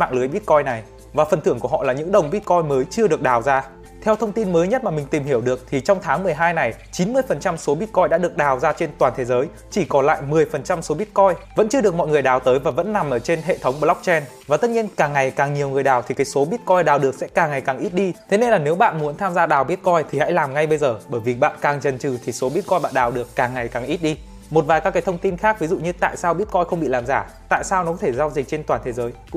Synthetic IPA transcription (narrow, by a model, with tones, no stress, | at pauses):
ma̰ː˧˨ŋlɨ˨˦əjɓi˦˥t̚kɔ˧jna˨˩j | vaː˨˩fə˨˩nt̪ʰɨ˧˩əŋku˧˩əɦɔ̰˧˨laː˨˩ɲɨ̰˧˥ŋɗə˨˩wŋ͡mɓi˦˥t̚kɔ˧jməː˨˦jt͡ɕɨ˧əɗɨ˨˩ək̚ɗaː˨˩wzaː˧ | t̪ʰɛ˧wt̪ʰə˧wŋ͡mt̪i˧nməː˨˦jɲə˦˥t̚maː˨˩mï˨˩ŋ̟t̪i˨˩mhi˧˩əwɗɨ˨˩ək̚t̪ʰi˨˩t͡ɕɔ˧wŋ͡mt̪ʰaː˨˦ŋmɨ˨˩əjɦaː˧jna˨˩jt͡ɕi˨˦nmɨ˧əjfə˨˩nt͡ɕa˧mso˨˦ɓi˦˥ət̚kɔ˧jɗa̰ː˧˥ɗɨ˨˩ək̚ɗaː˨˩wzaː˧t͡ɕe˧nt̪waː˨˩nt̪ʰe˨˦zəː˨˦j | t͡ɕi˧˩kɔ˨˦nla̰ː˧˨jmɨ˨˩əjfə˨˩nt͡ɕa˧mso˨˦ɓi˦˥ət̚kɔ˧jvə̰˧˥nt͡ɕɨ˧əɗək̚mɔ̰˧˨jŋɨ˨˩əjɗaː˨˩wt̪əː˨˦jvaː˨˩və̰˧˥nːa˨˩mʔəː˧˩t͡ɕe˧nɦḛ˧˨t̪ʰə˨˦wŋ͡mkla˦˥wk͡p̚t͡ɕɛ˧n | vaː˨˩t̪ə˦˥t̚ɲi˧ənkaː˨˩ŋːa˨˩jkaː˨˩ŋɲi˨˩əwŋɨ˨˩əjɗaː˨˩wt̪ʰi˨˩kaː˨˦jso˨˦ɓi˦˥ət̚kɔ˧jɗaː˨˩wɗɨ˨˩ək̚sɛ̰˧˥kaː˨˩ŋːa˨˩jkaː˨˩ŋʔi˦˥t̚ɗi˧t̪ʰe˨˦ne˧nlaː˨˩ne˨˦wɓa̰ː˧˨nmu˨˦nt̪ʰaː˧mzaː˧ɗaː˨˩wɓi˦˥ət̚kɔ˧jt̪ʰi˨˩ha̰˧˥jlaː˨˩mŋa˧jɓə˧jzəː˨˩ɓəː˧˩jvi˨˩ɓa̰ː˧˨nkaː˨˩ŋt͡ɕə˨˩nt͡ɕɨ˨˩t̪ʰi˨˩so˨˦ɓi˦˥ət̚kɔ˧jɓa̰ː˧˨nɗaː˨˩wɗɨ˨˩əkːaː˨˩ŋːa˨˩jkaː˨˩ŋʔi˦˥t̚ɗi˧ | mo˨˩t̚vaː˨˩jkaː˦kaː˨˦jt̪ʰə˧wŋ͡mt̪i˧nxaː˦˥k̚vi˨˦zṵ˧˨ɲɨ˧t̪a̰ː˧˨jsaː˧wɓi˦˥ət̚kɔ˧jxə˧wŋ͡mɓḭ˧˨laː˨˩mzaː˧˩ | t̪a̰ː˧˨jsaː˧wnɔ˨˦kɔ˨˦t̪ʰe˧˩za˧wzï˨˩k̚t͡ɕe˧nt̪waː˨˩nt̪ʰe˨˦zəː˨˦j